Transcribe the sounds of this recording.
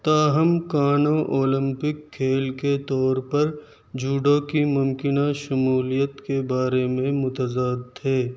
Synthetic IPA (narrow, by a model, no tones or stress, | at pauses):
t̪aːɦɐmkaːnõʔoːlɪ̃mpɪkʰːeːlket̪ɔːɾpɐɾ | d͡ʒuːɖokimʊmkɪnaʃɐmuːlijət̪kebaːɾemẽmʊt̪əzaːd̪̚t̪ʰeː